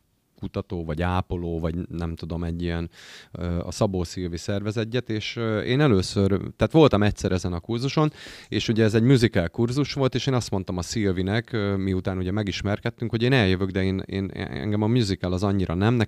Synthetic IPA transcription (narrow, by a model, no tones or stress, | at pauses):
kut̪ɒt̪oːvɒɟaːpoloːvɒɟnɛmt̪ud̪o̞mɛɟːijɛnøɒ̰sɒboːsivisɛrvɛzɛcːɛt̪eːʃḛːnɛløːsørt̪aːt̪ʋo̞lt̪ɒmɛctsɛɾʔɛzɛnɒkurzuʃo̞neːʃuɟɛːzɛɟmuzikɛlkurzuʃʋo̞lt̪eːʃeːnɒst̪mo̞nt̪ɒmɒsiøvinɛkmiut̪aːnuɟɛmɛɡiʃmɛrkɛt̪ːyŋkho̞ɟeːnɛljøvøɡd̪ɛeːnḛːnɛ̰ŋɡɛmɒmuzikɛlɒzɒɲːiɾʔɒnɛmnɛ